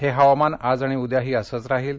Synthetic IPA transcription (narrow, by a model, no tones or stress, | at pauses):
ɦeɦaʋamanad͡zaɽ̃iud̪jaɦiːəsət͡sɾaɦiːl